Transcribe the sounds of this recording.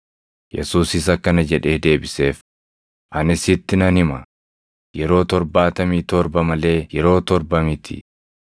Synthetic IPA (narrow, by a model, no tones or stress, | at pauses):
jɛ̰suːsɪs̬ɐkːɐnɐd͡ʒɛᶑe̞ːd̪e̞ːbɪse̞ːf | ʔɐnɪsɪt̪ːɪnɐnɪmɐ̰ | jɛɾo̞ːt̪ɔɾbaːt̪ɐmiːt̪ɔɾbɐmɐle̞ːjɛɾo̞ːt̪ɔɾbɐmɪt̪ʰɪ̰